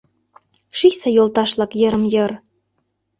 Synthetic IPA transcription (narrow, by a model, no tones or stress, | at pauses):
ʃisejolt̪ɑʃlɑkjɤ̆ɾə̆mjɤ̆r